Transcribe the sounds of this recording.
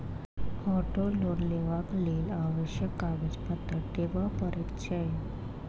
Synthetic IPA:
ɔʈolonleʋaklelaʋəɕjəkaʋəd͡ʑpət̪ːət̪eʋəpəɾit̪ɕəj

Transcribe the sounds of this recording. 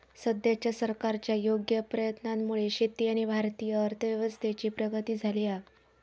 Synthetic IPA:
səd̪jat͡ɕjasəɾkaɾt͡ɕjajoɡjəpɾəjət̪nanmuɭeɕit̪ːiːaɽ̃ibʱaɾt̪ijəːɾt̪ʰəʋjəʋəst̪ʰet͡ɕiːpɾəɡət̪iːd͡zʱalia

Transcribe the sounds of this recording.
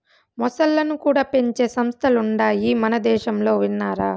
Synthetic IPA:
mɔsɐlːɐnukuːɽaːpe̞ɲt͡ʃeːsɐmst̪ʰɐluɳɖaːjimɐnɐd̪ɛːʃɐmlo̞ːʋinːaːɾaː

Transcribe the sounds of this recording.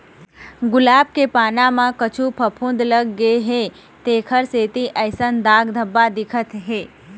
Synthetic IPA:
ɡʊlaːb̚kepaːnãmãkɐt͡ʃʰupʰɐpʰʊ̃ːnd̪lɐɡːəeɦe | t̪eːkʰəɾseːt̪iʔɐɪsənd̪aːɡd̪ʱəbːad̪ɪkʰət̪ɦeː

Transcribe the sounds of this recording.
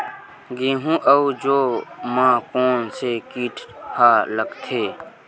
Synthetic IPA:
ɡeːɦũʔəud͡ʒoːmãːkoːnsekiːʈʰhaːləɡt̪ʰeː

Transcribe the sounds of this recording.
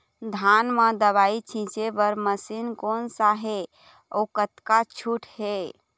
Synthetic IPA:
d̪ʱanmə̃d̪əβait͡ʃʰĩt͡ʃebəɾməsinkonsaɦe | okət̪kat͡ʃʰuʈʰhe

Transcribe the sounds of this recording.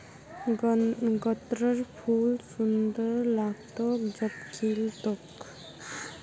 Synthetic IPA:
ɡət̪ɾəɾpʰuːlsund̪əɾlaːɡ̚t̪od͡ʒəpkʰiːlt̪ok

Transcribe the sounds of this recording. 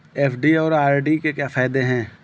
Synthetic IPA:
eːfɖiɔːɾaːɾɖikekjaːfaːɪd̪eɦɛ̃ː

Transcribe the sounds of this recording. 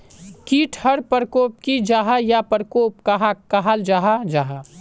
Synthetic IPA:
kiːʈʰhɐɽpəɾkoːp̚kid͡ʒaːɦajapəɾkoːpkaɦakaɦald͡ʒaːɦad͡ʒaːɦa

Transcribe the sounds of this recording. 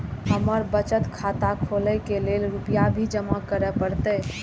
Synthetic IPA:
ɦəməɾbət͡ʃət̪kʰat̪akʰoləkelelɾupijabʱid͡ʒəmakəɾɛpəɽt̪ɛ

